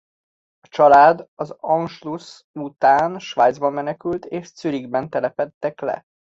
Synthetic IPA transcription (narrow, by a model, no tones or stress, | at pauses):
ɒt͡ʃɒlaːd̪ɒzɒnʃlus | ut̪aːnʃʋaːjd̪zbɒmːɛnɛkylt̪eːʃsyɾiɡbɛnt̪ɛlɛpɛt̪ːɛklɛ̰